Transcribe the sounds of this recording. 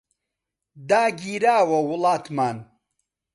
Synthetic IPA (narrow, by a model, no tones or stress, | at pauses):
d̪aːɡiːɾaːwɐwʊlaːt̪maːn